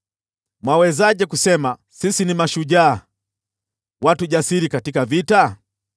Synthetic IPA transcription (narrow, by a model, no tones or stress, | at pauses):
mwawɛzaʄɛkusɛma | sisinimaʃuʄaː | watuʄasiɾikatikavita